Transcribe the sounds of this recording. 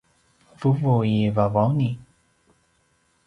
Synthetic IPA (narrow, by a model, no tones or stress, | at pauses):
vuvujivavɔni